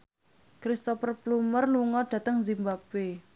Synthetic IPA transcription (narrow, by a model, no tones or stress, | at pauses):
kɾist̪ɔfərblumərluŋɔɖ̥ä̤t̪əŋzimbab̥e